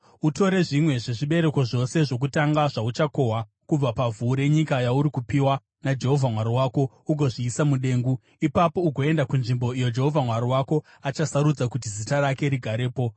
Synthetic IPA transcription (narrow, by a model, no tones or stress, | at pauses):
uto̞ɾe̞ʐimwe̞ʐe̞ʐiɓe̞ɾe̞ko̞ʐo̞se̞ʐo̞k̬utaŋɡaʐaut͡ʃako̞ɦa | kub͡vapavuːɾe̞ɲikajauɾikupiwa | nad͡ʒe̞ɦo̞vʱamwaɾowaːko̞ | uɡʱo̞ʐiːsamuɗe̞ːŋɡu | ipapo̞uɡʱo̞e̞ndakunʐimbo̞ijo̞d͡ʒe̞ɦo̞vʱamwaɾowako̞ | at͡ʃasaɾud͡zakut̬izitaɾake̞ɾiɡʱaɾe̞ːpo̞